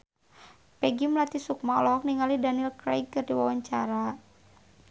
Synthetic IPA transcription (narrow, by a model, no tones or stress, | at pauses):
pɛɡimlat̪isuk̚maɔ̰lɔɦɔk̚niŋalidaniilkɾa̰jkɨrdiwawaɲt͡ʃaɾa